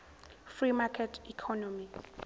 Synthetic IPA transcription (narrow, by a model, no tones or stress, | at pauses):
frimakʰɛtʰikʰɔnɔmi